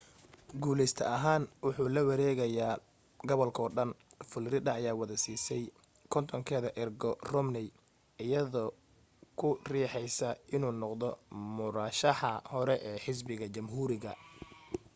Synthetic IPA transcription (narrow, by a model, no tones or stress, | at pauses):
ɡuːlɛjst̪ʰɐʔɐɦaːnwʊħuːlɐwɐɾɛːɣɐjaː | ɡɔβɔlkʰɔːɖɐnfʊlɾɪd̪ɐːjaːwɑðɐsiːsɛj | kʰɔnt̪ʰɔŋkʰɛːðɐʔɪrɡɔrɔmnɛj | ɪjɐðɔ | kʰʊriːħɛjsɐɪnuːnɔqd̪ɔmʊɾaːʃɑħɐhɔɾɛʔɛːħɪs̬bɪɣɐt͡ʃɐmɦuːɾɪɣɐ